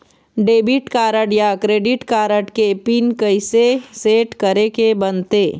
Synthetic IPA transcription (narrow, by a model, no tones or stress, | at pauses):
ɖeːbɪʈkaːɾəʈjakɾeːɖɪʈkaːɾəʈkepinkəiseseːʈkəɾekebɐnt̪eː